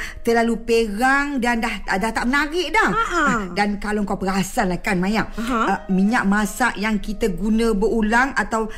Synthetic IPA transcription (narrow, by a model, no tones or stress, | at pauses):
t̪əlalupəɾaŋdandahadaht̪aʔmənaɾɪʔdahdankalawŋkawpəɾasanlahkanmajaʔmiɲaʔ̚masaʔjaŋkit̪əɡunə̃bəulaŋat̪aw